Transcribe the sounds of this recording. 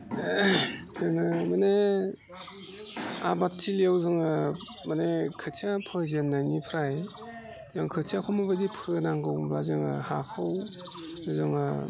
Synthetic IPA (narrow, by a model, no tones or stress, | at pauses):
tʰɯŋɯmane | a̰bat̚tʰiljawzɯŋɯ | manekʰɯtʰiapʰɯzenːajnipʰɾaj | zaŋkʰɯtʰiakʰɔwmabadipʰɯnaŋɡɯwbazɯŋɯ̰hakʰɯw | zɯŋɯ